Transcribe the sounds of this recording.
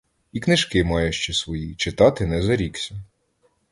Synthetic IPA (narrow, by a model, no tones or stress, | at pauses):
iknɪʒkɪmɑjʊʃt͡ʃɛsʋɔjit͡ʃɪt̪ɑt̪ɪnɛzɐɾʲiksʲɐ